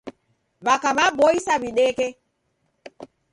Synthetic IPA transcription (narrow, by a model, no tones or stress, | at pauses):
βakamabɔisaβiɗɛkɛ